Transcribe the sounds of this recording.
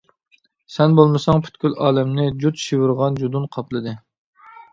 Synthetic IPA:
sɛnbolˠmɨsɑŋpʰy̥t̪kʲylʔɑːlɛmnɪd͡ʒut̪ʃiwɨɾʁɑnd͡ʒud̪unqʰɑplˠɨd̪ɨ

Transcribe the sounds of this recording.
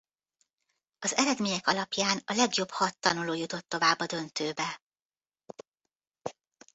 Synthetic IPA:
ɒzɛɾɛd̪meːɲɛkɒlɒpjaːnɒlɛɡjo̞bhɒt̪ːɒnuloːjut̪o̞t̪ːo̞vaːbːɒd̪ø̞nt̪øːbɛ

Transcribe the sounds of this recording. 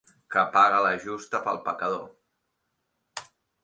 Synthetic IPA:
kəpaɣələʒust̪əpəlˠpəkəðo

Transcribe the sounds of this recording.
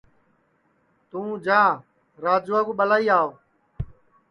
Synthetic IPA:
t̪ũːd͡ʒãː | ɾaːd͡ʒoːaːkuːɓəlaːiːaːoː

